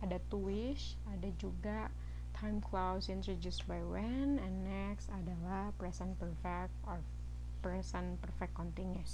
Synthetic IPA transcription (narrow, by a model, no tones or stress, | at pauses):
adat̪uɪʃ | adad͡ʒuɡa | t̪ʰajmklawsint̪ɾɔdusbajwɛnɛ̃nːɛksadalahpɾɛsanpərfɛk̚t̪ɔr | pɾɛsanpərfɛk̚ːɔnt̪inus